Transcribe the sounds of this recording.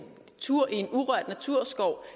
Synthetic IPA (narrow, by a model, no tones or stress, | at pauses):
t͡sʰuɐ̰ʔie̝nuʁɶɐ̰d̥næt͡sʰuɐ̰sɡ̥ɒʊ